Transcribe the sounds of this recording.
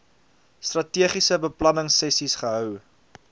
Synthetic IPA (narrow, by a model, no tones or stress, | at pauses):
strɐtiəχisəbəplɐnəŋsːɛsisχəɦœw